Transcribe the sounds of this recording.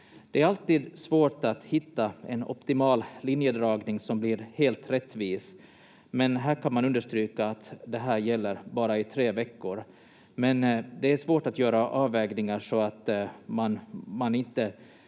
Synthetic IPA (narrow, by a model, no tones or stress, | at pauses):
d̪̥ɛæɾalt̪iːd̪svoːʈat̪hɪt̪ːaɛnɔ̰pt̪ɪmɑːllɪnjəd̪ɾɑːɡnɪŋsɔmbliɾheːlt̪ɾɛt̪ːviːs | mɛnɦæːɾkʰanmanɵnd̪əʂʈ̪ɾyːkaːt̪d̪ɛɦæːɾjɛlːəɾbɑːɾaɪt̪ʰɾeːvɛkːʊɾ | mɛnd̪ɛæʂvoːʈat̪jœːɾaʔɑːvɛːɡnɪŋaʂɔat̪manmanɪnt̪ə